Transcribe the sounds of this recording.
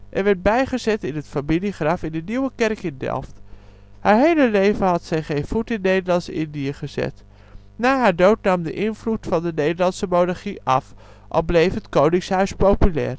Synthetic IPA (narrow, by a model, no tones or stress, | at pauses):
ʔɛɹʋɛɹd̚bɛjχəzɛtɪnɦətfamiliχrɑfɪndəniwəkɛrkɪndɛ̰lˠft | haːɹɦejləlejvənɦɑtsɛjχejnv̥utɪnːejdəlɑnsɪ̰ndiəχəzɛ̰t | naːɦaːɹdowtnɑmdə̰ʔɪnvlutfɑndənejdəɹlɑnsəmownaɹχiʔɑ̰f | ʔɑ̰lˠblejfɦətkownɪŋsɦœɥspowpylɛ̰ːɹ